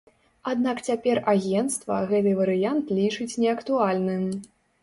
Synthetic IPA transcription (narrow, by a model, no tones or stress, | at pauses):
ad̪nakt͡sʲapʲɛraɣʲɛnt̪st̪vɐ̰ɣɛt̪̬ɨvɐɾɨjant̪lʲit͡ʂɨt͡sʲnʲɛɐkt̪ualʲnɨm